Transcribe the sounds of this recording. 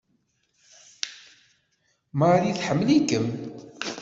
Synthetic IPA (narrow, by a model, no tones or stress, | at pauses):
maɾjiθħəmːlikəm